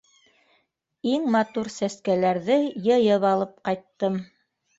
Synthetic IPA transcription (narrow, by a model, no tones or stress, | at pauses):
iŋmɑt̪uɾsæskælæɾðɘjɤ̆jɤβɑlˠɤp̚qɑjt̪ːɤm